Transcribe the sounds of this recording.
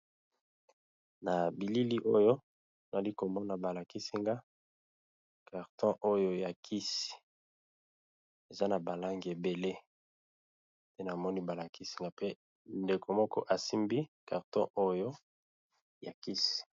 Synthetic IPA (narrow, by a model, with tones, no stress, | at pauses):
na˨bi˨li˦li˦ʔo˦jo˦ | na˨li˦ko˨mɔ˦na˨ba˨la˨ki˦si˦ŋɡa˦ | ka˨ʁtɔ̃˦ʔo˦jo˦ja˨kʰi˦si̥˨ | e˨za˦na˨ba˨la˦ŋɡe˨be˨le˦ | te˦na˨mɔ˦ni˦ba˨la˨ki˦si˦ŋɡa˦pe˦ | nde˨kʰo˨mɔ˦kɔ˦ʔa˨si˦mbi˦ka˨ʁtɔ̰̃˦ʔo˦jo˦ | ja˨ki˦si̥˨